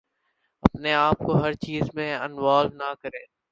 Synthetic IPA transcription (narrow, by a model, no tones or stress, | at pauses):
ɐpneaːp̚koɦɐɾt͡ʃiːzmẽɐnʋaːlnakɐɾẽː